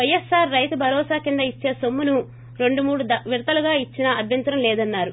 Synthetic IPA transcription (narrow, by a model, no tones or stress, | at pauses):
ʋɐjesːaːɾːɐjt̪ubʱɐɾɔːsaːkind̪ɐit͡ʃːe̞ːsomːunu | ɾe̞ɳɖumuːɽud̪ɐʋiɾt̪ɐluɡaːit͡ʃːinɐːd̪ʱjɐnt̪ɾɐmlɛːd̪ɐnːaːɾu